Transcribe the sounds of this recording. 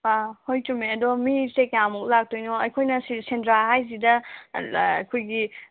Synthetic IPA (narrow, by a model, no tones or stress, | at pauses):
ahojtumeɐdɔmisekjamɔklak̚tojnɔɐjkʰojnɐsisentɾaɦajz̬idɐ̰ | kʰojɡi